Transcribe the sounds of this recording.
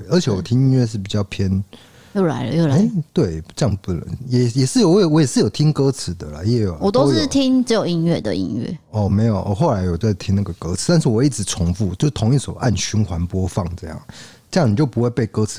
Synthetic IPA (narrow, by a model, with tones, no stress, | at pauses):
ə˧˥t͡ɕʰjɛ˧˦wɔ˨˩t̪ʰi˥ŋi˥nɥɛ˥˧ʂ̬ɻ̩˥˩pi˨˩t͡ɕjɑ˥˩ʊpʰjɛ˥n | jo˥˩ʊla̰˧˥ɪlə̰˧jo˥˩lae˥˦ɪt̪we˥˩ɪʈ͡ʂɤ˥˧jɑ˥˧ŋ˩pu˥˩nə̰˧˥ŋjɛ˨˩jɛ˨˩ʂɻ̩˥˩˨wɔ˧˥˨wɔ˧˥jɛ˨˩ʂɻ̩˥˩jo˨˩ʊt̪ʰi˥ŋkɤ˥t͡sʰɹ̩˨˩˦d̪ə̰˨lə̰˦jɛ˧˥jo˨˩ʊwɔ˨˩t̪o˥ʊ˥ʂ̩˥˩t̪ʰi˥ŋt͡s̩˧˥jo˨˩ʊi˥ŋɥɛ̰˥˩d̪ə̰˨ḭ˧ŋɥɛ̰˥˩ɔ˥˩me˧˥ɪjo˨˩ʊʔɔ̰˨˩xo˥˩ʊla˧˥ɪwɔ˨˩o˥a˥˩t̪ʰi˥ŋna˥˩ɡə˩kɤ˥t͡sʰɹ̩˨˩t̪a˥˧nʂɻ̩˥˩wɔ˨˩i˥˩ʈ͡ʂɻ̩˧˥t͡sʰʊ˧˥ŋfu˥˩t͡ɕjo˥˧ʊʂ̩˥t̪ʰo˧˥ŋi˥˩so˨˩ʊʔa̰˥˩nɕy˧˥nxwa˧˥npwɔ˥fɑ˥˨ŋʈ͡ʂɤ˥˧jɑ̰˥˩ŋ | ʈ͡ʂɤ˥˧jɑ˥˩ŋni˨˩t͡ɕjo˥˩ʊpu˧˥we˥˧ɪpe˥˩ɪkɤ˥t͡s̩ʰ˨